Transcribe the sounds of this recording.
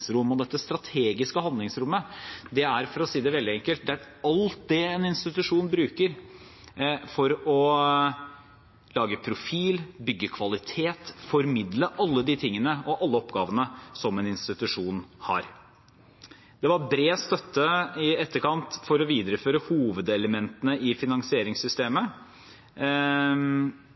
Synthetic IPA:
sɾʊmːɔd̪ɛt̪ːəst̪ɾɑt̪ʰeːɡɪskəhɑnd̪lɪŋsɾʊmːəd̪ɛæɾfɔɾɔsiːd̪ɛʋɛld̪ɪɛŋkəlt̪̚d̪ɛæɾ | ɑlt̪̚d̪ɛɛnɪnst̪ɪt̪ʉʂuːnbɾʉːkəɾ | fɔɾɔ | lɑːɡəpʰɾʊfiːlbʏɡːəkʰʋɑlɪt̪ʰeːt̪fɔɾmɪd̪ləʔɑlːəd̪ɪt̪ʰɪŋːənəɔʔɑlːəɔpɡɑːʋənəsɔmɛnɪnst̪ɪt̪ʉʂuːnhɑ̰ɾ | d̪̥ɛʋɑɾbɾeːst̪œt̪ːəɪɛt̪ːəɾkɑnt̪fɔɾɔʋiːd̪ɾəføːɾəhuːʋəd̪ɛləmɛnt̪ənəɪfɪnɑŋsɪeːɾɪŋsʏst̪eːmə

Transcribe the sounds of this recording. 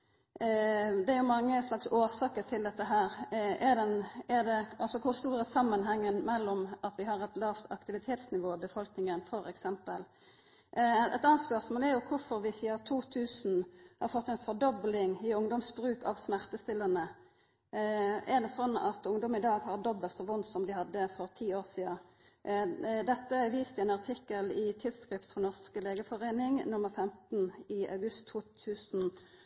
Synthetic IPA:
d̪ɛæɾjʊmɑŋːəslɑksoːʁsɑːkət̪ʰɪld̪ɛt̪ːəɦæːʁɛʁd̪ɛnɛʁd̪ɛɑlsɔkʰʊʁst̪uːɾəsɑmːənɦɛŋːənmɛlːɔmɑt̪ʋɪhɑɾɛt̪lɑːʋt̪ʰɑ̰kt̪ɪʋɪt̪ʰeːt̪snɪʋoːbəfɔlknɪŋənfɔɾɛ̰ksɛmpəl | ɛt̪ɑnːɑnt̪spœʁsmoːlɛɾjʊkʰʊɾfɔɾʋɪsiːət̪ʰuːt̪ʰʉːsn̩hɑɾfɔt̪ːɛɪnfɔʁd̪ɔblɪŋɪʊŋd̪ɔmsbɾʉːkɑʋsmæʁt̪əst̪ɪlənə | ɛʁd̪ɛsɔnːɑ̰t̪ʊŋd̪ɔmən̩ɪd̪ɑːɡhɑʁd̪ɔbəlt̪sɔʋʊnːsɔmd̪ɪhɑd̪ːəfɔʁt̪ʰiːoːʁsiːɑ | d̪ɛt̪ːəʋiːst̪ɪɛnɑʁt̪ʰɪkːəlɪt̪ʰɪlskʁɪft̪fʁɑnɔʁskəleːɡəfɔʁeːnɪŋnʊmːəʁfɛmt̪nɪɑ̰ʉɡʉst̪ʰːuːt̪ʰʉːsn̩

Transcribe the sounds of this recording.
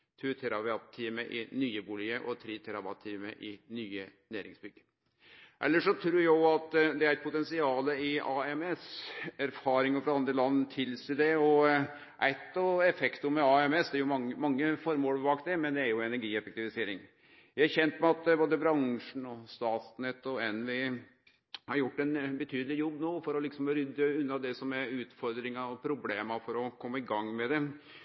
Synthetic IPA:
t̪ʰʉt̪ʰɛɾɑbɑt̪ʰːiːməʔɪ̰nyːəbuːlɪəʔɔt̪ʰɾiːt̪ʰɛɾɑbɑt̪ʰːiːmə̰ʔɪnyːənæːɾɪ̰ŋsbʏɡ̥ | ʔɛ̰lːəʂɔt̪ʰɾuːɾjæɪɑt̪ːd̪ɛæɾæɪt̪̚pʰʊt̪ɛnsɪɑːləɪɑɛmɛsæɾfɑːɾɪŋəfɾɑɑnd̪ɾəlɑnːt̪ʰɪlsiːd̪ɛɔ | ʔæɪt̪ːɔɛfɛkt̪ʊmɛɑɛmɛsd̪ɛæɾjʊmɑŋəmɑŋːəfɔɾmoːlbɑːkt̪d̪ɛmɛnd̪ɛæɾjʊɛnæɾɡiːɛfɛk̚t̪ɪʋɪseːɾɪŋ | jæɪhæɾçɛnt̪mɛɑt̪boːd̪əbɾɑŋʂɳ̩ɔst̪ɑːt̪snɛt̪ːɔɛnʋɪ | hɑɾjʊʈːɛnbət̪ʰyːd̪əlɪjɔbːnoːfɔɾɔlɪksɔmɾʏd̪ːəʉnːɑd̪ɛsɔmæɾʉːt̪fɔɾd̪ɾɪŋɑɔpʰɾʊbleːmɑfɔɾɔkʰɔmːəɪɡɑŋːmɛd̪ɛ

